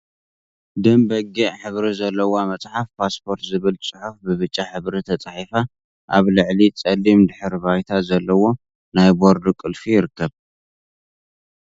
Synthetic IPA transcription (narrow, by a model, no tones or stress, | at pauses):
d̪ɐmbɐɡiʕħɨβɾizɐlːɐwomɐt͡sʼħafpʰaspʰo̞ɾt̪zɨβɨlt͡sʼɨħufbɨβɨt͡ʃʼːaħɨβɾit̪ʰɐt͡sʼaħifa | ʔaβlɨʕlit͡sʼɐlːimd̪ɨħɨɾbajt̪ʰazɐlːɐwo̞ | najboɾd̪ukʼɨlfijɪɾɨkːɐβ